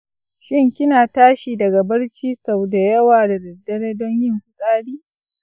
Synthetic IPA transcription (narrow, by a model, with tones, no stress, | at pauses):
ʃɪ˦ŋkʲɪ˦naː˨taː˦ʃiː˨dɐ˨ɡa˨bɐ˦ɽt͡ʃiː˦sa˨wda˨jɐ˦waː˨da˨dɐ˨dːɐ˦ɽe˦dɔ˦ɲjɪ˦ŋɸɪ˦˨sʼaː˦ɽiː˦